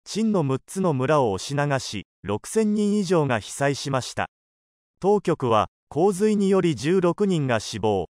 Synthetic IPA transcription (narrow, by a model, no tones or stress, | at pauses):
t͡ɕĩnːo̞mɯ̟tt͡sɨno̞mɯ̟ɾaoːɕinaɡaɕḭ | ɾo̞kɯ̟̥sẽ̞ɲ̟ːĩɰ̃iʑo̞ːŋaçi̥saiɕimaɕi̥t̪a̰ | t̪o̞ːkʲo̞kɯ̟β̞a̰ | kʰo̞ːzɨiɲ̟ijo̞ɾʲid͡ʑɨːɾo̞kɯ̟ɲ̟ĩŋɡaɕibo̞ː